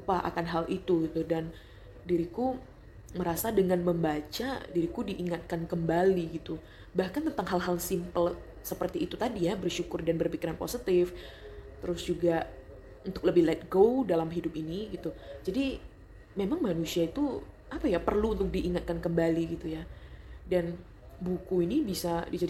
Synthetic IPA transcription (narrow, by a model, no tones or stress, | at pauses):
upaʔa̰kanɦalʔit̪uɡit̪udan | diɾiku | məɾasadəŋanməmbat͡ʃadiɾikudiʔiŋat̪̚kankəmbaliɡit̪u | bahkant̪ənt̪aŋɦalɦalsimpəl | səpərt̪iːt̪ut̪adijabərʃukʊrdanbərpikiɾanpo̰sit̪ɪft̪əɾʊsd͡ʒuɡa | unt̪ʊkləbɪhlɛt̪̚ɡowdalamɦidʊpiniɡit̪ud͡ʒadi | memaŋmanusiait̪u | apajapərluːnt̪ʊk̚diʔːŋat̪̚kankəmbaliɡit̪ujadan | bukuinibisadid͡ʒadi